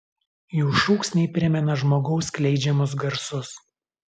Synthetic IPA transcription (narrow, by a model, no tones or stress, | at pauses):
juːʃuːksnʲɛɪpʲɾʲɪmʲɛnɐʒmoːɡɒʊsklʲɛɪd͡ʒʲɛmʊs̬ɡɐɾsʊs